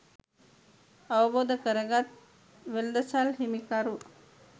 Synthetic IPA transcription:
ɐʋɐboːd̪ʱɐkɐɾɐɡat̪̚ | ʋeld̪ɐsalɦimikaɾu

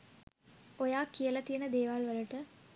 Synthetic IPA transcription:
ojaːkːijəlɐt̪ijənəd̪eːʋaːlʋɐɾəʈə

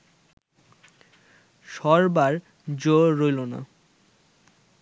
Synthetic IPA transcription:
ʃɔɾbaɾ | d͡ʑoɾojlona̰

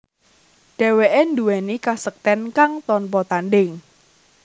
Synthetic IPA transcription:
ɖ̥ɛ̤weʔenduwɛnikasək̚t̪ɛnkaŋt̪ɔnpɔt̪anɖɪŋ

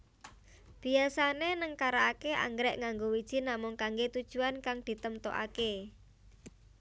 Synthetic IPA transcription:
b̥i̤asanenəŋkaɾaːkeʔa̰ŋɡɾɛʔŋaŋɡowid̥ʒ̥i̤namʊŋkaŋɡet̪ud̥ʒ̥ṳankaŋd̪̥i̤t̪əmt̪ɔ̰ʔa̰ke

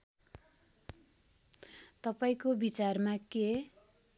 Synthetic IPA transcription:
t̪ʌpaĩkobit͡sarmake

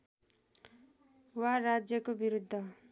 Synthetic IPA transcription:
warad͡zjʌkobiɾud̪ʱːʌ

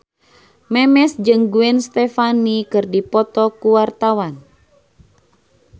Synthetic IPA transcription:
mɛmɛsd͡ʒɨŋɡuɛnst̪ɛfanikɨrdipɔt̪ɔkuwart̪awan

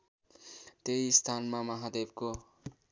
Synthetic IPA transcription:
t̪eist̪ʰanmamʌɦad̪eb̚ko

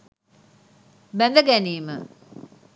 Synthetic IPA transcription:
bænd̪əɡæniːmə̰

